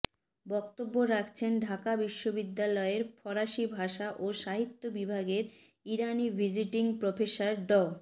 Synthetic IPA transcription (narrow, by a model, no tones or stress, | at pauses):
bɔk̚t̪obːoɾakʰt͡ɕʰenɖʱakabiʃːobid̪ːalɔeɾfɔɾaʃibʱaʃaʔoʃaɦit̪ːobibʱaɡeɾ | iɾanivʱid͡ʑiʈiŋpɾofesaɾɖɔ